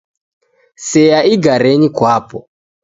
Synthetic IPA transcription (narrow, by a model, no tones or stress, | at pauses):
sɛjaiɡaɾɛɲikwapɔ